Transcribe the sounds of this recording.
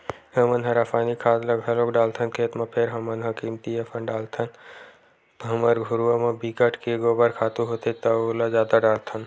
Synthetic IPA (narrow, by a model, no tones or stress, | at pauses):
ɦəmənɦɐ̃ɾafʰaːnikʰaːd̪lɐɡʱɐlokɖaːlt̪ʰənkʰeːt̪mãpʰeɾɦɐmənɦəkiːmt̪iəfʰənɖaːlt̪ʰən | t̪ɦɐməɾɡʱʊɾuamãbikəʈʰkeɡobəɾkʰaːt̪uɦot̪it̪ɐolazaːd̪aɖaːlt̪ʰən